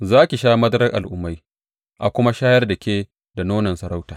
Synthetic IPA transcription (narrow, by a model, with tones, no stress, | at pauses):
zaː˦kʲi˨ʃaː˦mɐ˦dɾɐ˦rʔa̰˨lʔʊ˨mːa˦j | ʔa˨kʷʊ˦ma˦ʃaː˦jɐ˦rdɐ˨kʲeː˦ | da˨noː˦nɐ˨nsɐ˨ɾa˦wtaː˨